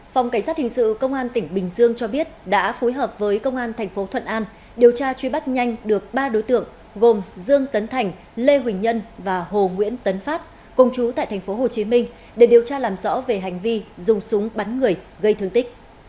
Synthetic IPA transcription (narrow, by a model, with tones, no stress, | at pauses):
fa˨˩wŋ͡mka˧˩ŋ̟sa˦˥t̚hï˨˩ŋ̟sɨ̰˧˨kə˧wŋ͡mʔaː˧nt̪ï˧˩ŋ̟ɓï˨˩ŋ̟zɨ˧əŋt͡ɕɔ˧ɓi˦˥ət̚ɗa̰ː˧˥fo˨˦jɦəː˨˩p̚vəː˨˦jkə˧wŋ͡mʔaː˧nt̪ʰɛ˨˩ŋ̟fo˨˦t̪ʰwə̰˧˨nʔaː˧n | ɗi˨˩əwt͡ɕaː˧t͡ɕwi˧ɓa˦˥t̚ɲa˧jŋ̟ɗɨ˨˩ək̚ɓaː˧ɗo˨˦jt̪ɨ̰˧˨əŋ | ɣo˨˩mzɨ˧əŋt̪ə˨˦nt̪ʰa˨˩ŋ̟ | le˧ɦwï˨˩ŋ̟ɲə˧nvaː˨˩ɦo˨˩ŋwḭ˧˥ənt̪ə˨˦nfaː˦˥p̚ | kə˧˩wŋ͡mt͡ɕu˨˦t̪a̰ː˧˨jt̪ʰɛ˨˩ŋ̟fo˨˦ɦo˨˩t͡ɕi˨˦mï˧ŋ̟ | ɗe˧˩ɗi˨˩əwt͡ɕaː˧laː˨˩mzɔ̰˧˥ve˨˩ɦa˨˩jŋ̟vi˧zʊ˨˩ŋ͡msʊ˨˦ŋ͡mɓa˨˦nŋɨ˨˩əj | ɣə˧jt̪ʰɨ˧əŋt̪ï˦˥k̟̚